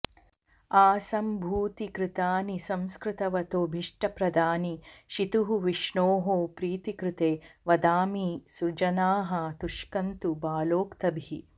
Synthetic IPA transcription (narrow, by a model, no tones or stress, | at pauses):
aːsɐmbʱuːt̪ikɾɪt̪aːnisɐ̃mskɾɪt̪ɐʋɐt̪oːbʱiʂʈɐpɾɐd̪ʱaːniʃit̪uɦuʋiʂɳoːɦoːpɾiːt̪ikɾɪt̪eːʋɐd̪aːmiːsuɾd͡ʒɐnaːɦɐt̪uʂkɐnt̪ubaːloːkt̪ɐbʱiḭ